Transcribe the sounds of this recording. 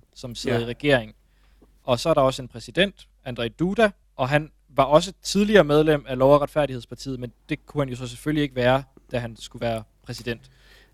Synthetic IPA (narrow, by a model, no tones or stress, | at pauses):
sɒ̽mseð̩ˠiʁɛɡ̥e̝ɐ̰e̝ŋ̩ | ʔɒ̽sɒ̽æɐɾ̥ɑ̈ɒ̽səe̝npʰʁɛsid̥en̰d̥ | ænd̥ʁɛɪd̥ud̥æ | ʔɒ̽ɦæn | ʋɑ̈ʔɒ̽s̬ət͡sʰið̞ˠliɐːmeð̞ˠlem̰ælɒʊɐʁɑd̥fæɐ̰ɾiheð̞̰ˠspʰɑ̈t͡sʰḭːð̩ˠmend̥e̝kʰuhænjo̝s̬ɒ̽s̬efølie̝ɡ̥əʋæːɐ | d̥æɦænsɡ̥uʋæːɐpʰʁɛsid̥en̰d̥